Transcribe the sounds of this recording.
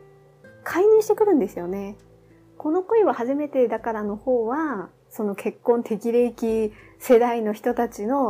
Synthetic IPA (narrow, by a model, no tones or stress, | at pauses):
kʰaiɲ̟ɨ̃ːɕi̥t̪e̞kɯ̟ɾɯ̟̃nd̪e̞sɨjo̞ne̞ | ko̞no̞ko̞iβahaʑime̞t̪e̞d̪akaɾano̞ho̞ːβa | so̞no̞kʰe̞kːõ̞nt̪ʰe̞kʲiɾekʲise̞d̪aino̞çi̥t̪o̞t̪at͡ɕino̞